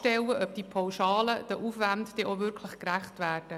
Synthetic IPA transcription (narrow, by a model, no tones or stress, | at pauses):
tɛwəʔœp̚d̥̪ipʰawʃɑːləd̥əʔufʋantd̥ɛʔovʏɾkʰləχkræχtʋæːrd̥ə